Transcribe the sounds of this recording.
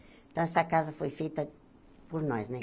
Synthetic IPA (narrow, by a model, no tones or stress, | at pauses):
t̪ɐ̃sakazɐfojfit̪ɐ | puɾnojznẽ